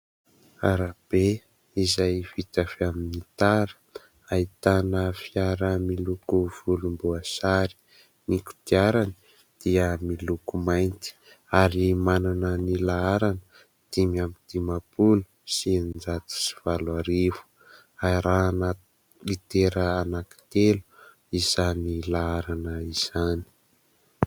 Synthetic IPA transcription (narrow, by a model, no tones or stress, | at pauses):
a̰ɾab̥e | izajv̥it̪afeaminit̪aɾə̥ | ait̪anəfiaɾəmilukuv̥ulumbuasaɾi̥ | niku̥t̪iaɾani̥ | d̪̥iəmilukumajnt̪i̥ | aɾimananənilaaɾanə | t̪imiamit̪imapulusinnd͡zat̪u̥si̥v̥alwaɾevu̥ | aɾana | lit̪eɾəanaki̥t̪elu̥ | iz̥anilaaɾanəiz̥ani̥